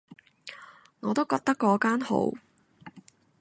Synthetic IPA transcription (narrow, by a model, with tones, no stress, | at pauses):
ŋɔː˨˧t̪o˥wkɔː˧k̚t̪ɐ˥kːɔː˧kaː˥nho̰˨˥w